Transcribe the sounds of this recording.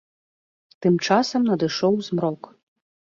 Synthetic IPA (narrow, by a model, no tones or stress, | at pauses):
t̪ɨmt͡ʂasɐmnɐd̪ɨʂɔwzmɾɔk